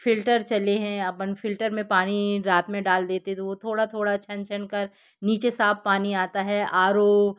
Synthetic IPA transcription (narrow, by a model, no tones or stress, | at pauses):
fɪlʈəɾt͡ʃɐleɦɛ̃ɐpənfʰɪlʈəɾmẽpaːniɾaːt̪mẽɖaːld̪eːt̪eɦɛ̃t̪oʋot̪ʰoːɽat̪ʰoːɽat͡ʃʰɐnt͡ʃʰənkɐɾ | niːt͡ʃesaːb̚paːniaːt̪aɦɛʔaːɾoː